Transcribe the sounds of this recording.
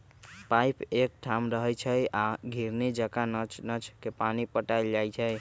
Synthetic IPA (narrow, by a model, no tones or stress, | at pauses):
pajpek̚ʈʰamɾəɦɛjt͡ʃʰəjaɡʱiɾned͡ʒəkant͡ʃnət͡ʃkepanipəʈajld͡ʒajt͡ʃʰəj